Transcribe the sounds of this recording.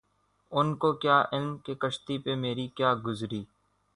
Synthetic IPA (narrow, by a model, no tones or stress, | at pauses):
ʊnkoːkjaːʔɪlmkeːkəʃt̪ipemeːɾikjaːɡʊzɾiː